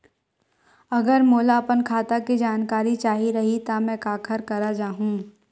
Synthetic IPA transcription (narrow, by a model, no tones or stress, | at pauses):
ɐɡəɾmoːlapənkʰaːt̪akid͡ʒaːnkaːɾit͡ʃaːɦiɾɐɦit̪amɛ̃ːkaːkʰəɾkɐɾad͡ʒaːɦũː